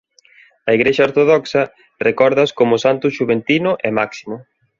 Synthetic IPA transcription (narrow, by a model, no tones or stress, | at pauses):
ɐiɣɾeʃɐoɾt̪oðɔksɐ | rekɔɾðɐskomʊsant̪ʊʃuβent̪inʊʔemaksimʊ